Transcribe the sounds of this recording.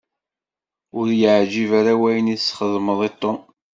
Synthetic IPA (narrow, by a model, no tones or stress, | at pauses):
ʊɾjəʕd͡ʒivaɾawæjənisχəðməðˤit̪ˤːo